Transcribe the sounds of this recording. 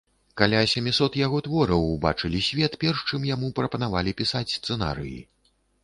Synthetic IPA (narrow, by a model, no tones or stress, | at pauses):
kalʲasʲɛmʲisɔt̪jaɣɔt̪vɔɾɐwba̰t͡ʂɨlʲisʲvʲɛt̪pʲɛrʂt͡ʂɨmjamupɾɐpɐnavalʲipʲisat͡sʲst̪sɛna̰ɾɨ̰jḭ